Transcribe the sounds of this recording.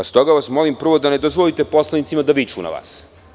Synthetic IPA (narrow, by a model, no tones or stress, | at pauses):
ast̪o̞ɡaʋasmo̞limpr̩ʋo̞d̪ane̞d̪ozʋolit̪e̞po̞slˠanit̪simad̪aʋit͡ʃuna̰ʋa̰ːs